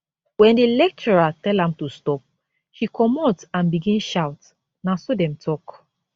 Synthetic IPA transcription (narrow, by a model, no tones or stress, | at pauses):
wɛ̃ndilɛk̚t͡ʃɔɹatɛlãmtustɔp̚ | hikʰɔmatãnbiɡĩnʃawt | nasodɛ̃mtʰɔk